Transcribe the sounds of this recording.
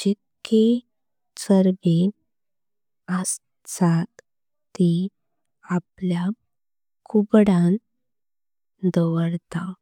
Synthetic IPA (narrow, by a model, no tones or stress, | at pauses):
d͡ʑeke | t͡səɾbe | əs | t͡sat̪ː | i | aplja | kʰubɽan | d̪əʋəɾt̪a